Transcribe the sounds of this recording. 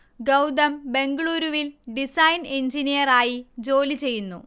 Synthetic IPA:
ɡɐwd̪ɐmbe̞ŋɡɐɭuːɾuʋilɖisɐjneɲd͡ʑinijɐraːjid͡ʑo̞ːlit͡ɕe̞jːunːṵ

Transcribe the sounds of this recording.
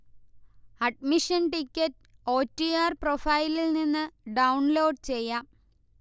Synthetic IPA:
ɐɖ̚miʂɐnʈikʲːɐtː | o̞ːtːijaːrprofɐjlilninːɨɖɐwɳloːɖt͡ɕe̞jːɐ

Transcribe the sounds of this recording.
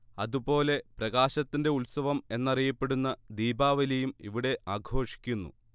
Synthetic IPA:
ɐðubo̞ːle̞prɐɣaːɕɐt̪ːinde̞ulsɐʋɐme̞nːɐrijɐpːe̞ɽunːɐd̪iːbaːʋɐlejumḭʋiɽe̞ʔaːɡʱo̞ːʂi̥kʲːunːṵ

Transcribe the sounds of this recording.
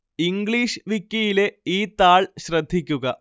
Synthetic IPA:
iŋɡɭiːʂʋikʲːijile̞iːt̪aːɭɕrɐd̪ʱːikʲːuɣɐ

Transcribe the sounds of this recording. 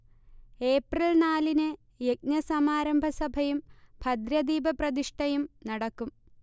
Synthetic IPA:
e̞ːprɐlnaːlinɨ | jek̚nɐsɐmaːɾɐmbʱɐsɐbʱɐjumbʱɐd̪ɾɐd̪iːbɐprɐd̪iʂʈɐjumnɐɽɐkːum

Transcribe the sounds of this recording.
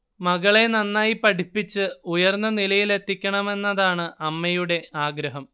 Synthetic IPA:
mɐɣɐɭe̞nɐnːaːjipɐʈipːit͡ɕːɨujɐrnːɐnilɐjile̞t̪ːikʲːɐɳɐme̞nːɐðaːɳɨʔɐmːɐjuɽe̞aːɡɾɐɦɐm

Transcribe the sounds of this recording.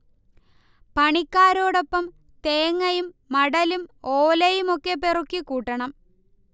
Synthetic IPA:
pɐɳikːaːɾo̞ːɽo̞pːɐm | t̪eːŋːɐjumːɐɽɐlumoːlɐjumo̞kːeperukːikuːʈːɐɳɐm

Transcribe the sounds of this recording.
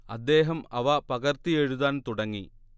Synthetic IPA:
ɐd̪ːeːɦɐmɐʋɐpɐɣɐrt̪ieɻuðaːnt̪uɽɐŋːi

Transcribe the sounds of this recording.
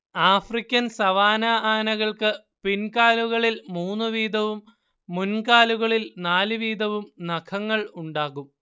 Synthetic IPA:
aːfrikʲːɐnsɐʋaːnaaːnɐɣɐɭkɨ | pinkaːluɣɐɭilmuːnːɨʋiːd̪ɐʋumː | unkaːluɣɐɭilnaːlɨʋiːd̪ɐʋumnɐkʰɐŋːɐɭuɳɖaːɣum

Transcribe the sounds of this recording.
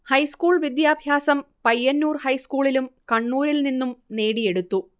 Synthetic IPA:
hɐjskuːɭʋid̪jaːbʱjaːsɐmpɐjːɐnːuːrhɐjskuːɭilumkɐɳːuːɾilninːumne̞ːɽije̞ɽut̪ːu

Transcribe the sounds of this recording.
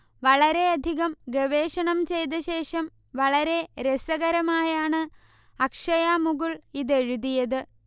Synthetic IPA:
ʋɐɭɐɾe̞ɐd̪ʱiɣɐmɡeʋeːʂɐɳɐmt͡ɕe̞jt̪ɐɕe̞ːʂɐm | ʋɐɭɐɾe̞ɾesɐɣɐɾɐmaːjaːɳɨ | ɐkʂɐjaːmuɣuɭiðe̞ɻuðijɐðɨ

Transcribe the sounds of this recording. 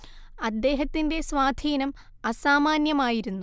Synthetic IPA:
ɐd̪ːe̞ːɦɐt̪ːinde̞sʋaːd̪ʱiːnɐm | ɐsaːmaːnjɐmaːjiɾunːu

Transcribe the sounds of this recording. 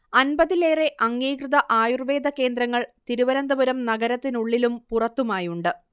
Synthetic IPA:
ɐnbɐðile̞ːre̞ʔɐŋːiːkrɨðɐʔaːjurʋe̞ːd̪ɐke̞ːnd̪ɾɐŋːɐɭt̪iɾuʋɐɾɐnd̪ɐbɐɾɐmnɐɡɐɾɐt̪ːinuɭːilumpurɐt̪ːumaːjuɳɖɨ

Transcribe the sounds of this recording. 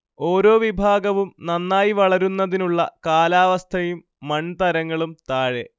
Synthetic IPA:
o̞ːɾo̞ːʋibʱaːɡɐʋumnɐnːaːjiʋɐɭɐɾunːɐðinuɭːɐ̰kaːlaːʋɐst̪ʰɐjumːɐɳt̪ɐɾɐŋːɐɭumt̪aːɻe

